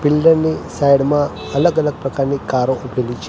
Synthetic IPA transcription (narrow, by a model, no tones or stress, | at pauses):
bɪlɖəɾnisajɽmã | ələɡələɡ̚pɾəkaɾnikaɾoʔubʱelit͡ʃʰ